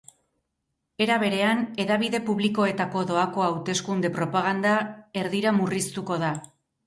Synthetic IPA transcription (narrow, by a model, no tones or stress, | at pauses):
e̞ɾaβ̞e̞ɾe̞ane̞ðaβ̞iðe̞puβliko̞e̞t̪ako̞ðo̞ako̞awt̪e̞skund̪e̞pɾo̞paɣ̞and̪ae̞ɾðiɾamurist̪uko̞ða